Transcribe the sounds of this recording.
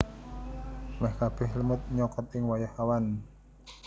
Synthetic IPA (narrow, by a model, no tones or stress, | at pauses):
mɛhkab̥ɛhləmʊt̪̚ɲɔkɔt̪ɪŋwajahawan